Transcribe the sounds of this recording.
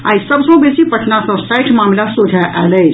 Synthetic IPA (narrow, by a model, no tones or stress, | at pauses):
a̰isəbsõbesipəʈnasɔ̃sajʈʰmaːmlasod̪ʱjaʔalə